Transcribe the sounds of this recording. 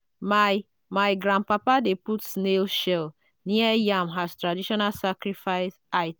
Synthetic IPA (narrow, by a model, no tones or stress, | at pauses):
ma | maɪɡɾãnpapadeputsnelʃɛl | niɛjamɦaztɾadiʃɔnalsakɾifaɪsaɪt